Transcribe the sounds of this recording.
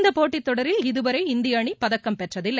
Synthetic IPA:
nd̪ɐpoːʈːɪt̪ːɔɽɐɾɪlɪðɯʋɐɾɐɪɪnd̪ɪjaːɳipɐðɐkːɐmpɛʈrɐðɪlːɐ

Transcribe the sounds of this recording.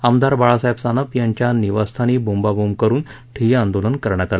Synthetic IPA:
amd̪aɾbaɭasajpsanəpjãɲt͡ɕjaniʋast̪ʰaniːbumbabumkəɾuːn | ʈʰiãnd̪olənkəɾɳjat̪ale

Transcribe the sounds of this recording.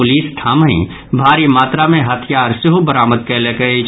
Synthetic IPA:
ʊliːsʈʰaːməḭ̃ | bʱaːɾimaːt̪ɾamẽɦɐt̪ʰjaːɾsɪɦobəɾaːməd̪̚kelekəe

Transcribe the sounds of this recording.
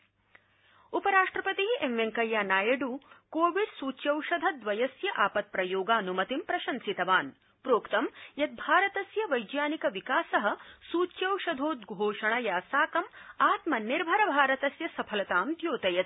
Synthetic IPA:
upɐɾaːʂʈɾɐpɐt̪iɦiʔemʋeŋkɐjːaːnaːjɐɖuːkoːʋiɖsuːt͡ʃjɐwʃɐd̪ʱɐd̪ʋɐjɐsjɐʔaːpɐt̪̚pɾɐjoːɡaːnumɐt̪impɾɐʃɐnsit̪ɐʋaːn | pɾoːkt̪ɐmjɐt̪̚bʱaːɾɐt̪ɐsjɐʋɐjd͡ʒjaːnikɐʋikaːsɐɦɐsuːt͡ʃjɐwʃɐd̪ʱoːt̪̚ɡʱoːʃɐɳɐjaːsaːkɐmaːt̪mɐnːiɾbʱɐɾɐbʱaːɾɐt̪ɐsjɐsɐpʰɐlɐt̪aːmd̪ʱjoːt̪ɐjɐt̪̚

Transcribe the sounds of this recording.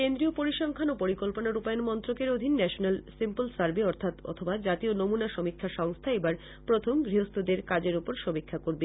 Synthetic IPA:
kend̪ɾiopoɾiʃɔŋkʰanopoɾikolponaɾupajonmɔnt̪ɾokeɾod̪ʱinːɛʃonelsimpolsaɾbeɔɾt̪ʰat̪ɔ̰t̪ʰobad͡ʑat̪ionomunaʃomikʰːaʃɔŋst̪ʰaebaɾ | pɾot̪ʰomɡɾiɦost̪ʰod̪eɾkad͡ʑeɾupoɾʃomikʰːakoɾbe

